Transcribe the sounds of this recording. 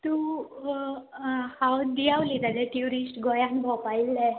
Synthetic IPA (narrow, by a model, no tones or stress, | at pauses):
t̪u | hawd̪iawlit̪ad̪ɛʈiuɾisʈɡɔjãnbʱɔpailːɛ